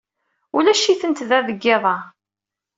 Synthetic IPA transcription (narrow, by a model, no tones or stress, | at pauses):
ulæʃːiθənt̪ðæðəɡːɪðˤɑ